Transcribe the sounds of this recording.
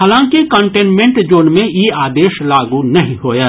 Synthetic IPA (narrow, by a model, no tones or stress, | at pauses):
ɦaːlãːŋkekə̃ɳʈẽːnmẽɳʈd͡ʒoːnmẽjeːaːd̪eːʃlaːɡunɐɦĩɦoːjaː